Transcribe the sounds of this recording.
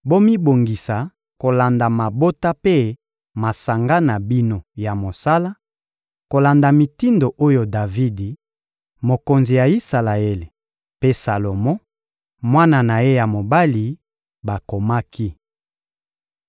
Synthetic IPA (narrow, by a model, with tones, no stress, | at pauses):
bo˦mi˦bo˨ŋɡi˨sa˨ | ko˨la˨nda˨ma˨bo˦ta˦pe˦ | ma˨sa˨ŋɡa˦na˨bi˦no˨ja˨mo˨sa˦la˦ | ko˨la˨nda˨mi˨ti˦ndo˨ʔo˦jo˨da˨vi˦di˨ | mo˨ko˨nzi˨ja˨i˦sa˨la˨e˦le˨ | pe˦sa˨lo˨mɔ̃˦ | mwa˦na˨na˨je˦ja˨mo˨ba˦li˨ | ba˨ko˨ma˦kʰi˦